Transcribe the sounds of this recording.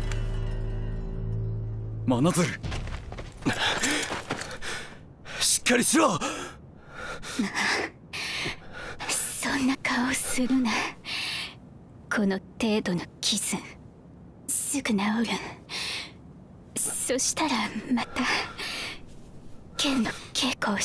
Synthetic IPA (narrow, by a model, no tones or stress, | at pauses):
manazɨɾɯ | ɕi̥kːaɾʲiɕiβa | ma | sõ̞nːakaosɨɾɯna | kʰo̞no̞t̪e̞ːd̪o̞no̞kʲʰiz̥ɨ̃ | sɨɡɯ̟naoɾɯ | so̞ɕi̥t̪aɾamat̪a | kʰẽ̞nːo̞kʰe̞ːkoː